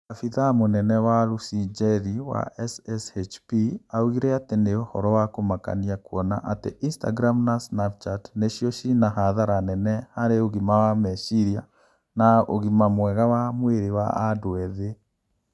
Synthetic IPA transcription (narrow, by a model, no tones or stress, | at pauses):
afiðamonɛnɛwalusid͡ʒɛɾiwa̰ɛsɛset͡ʃpiauɣiɾɛateneohɔɾɔwakomaka̰niakwɔna̰ʔateʔinsta̰ɡɾamnasnap̚t͡ʃatneʃjɔʃinahaðaɾanɛnɛhaɾeoɣimawamɛʃiɾja | naoɣimamwɛɣawamweɾewa̰adoɛðe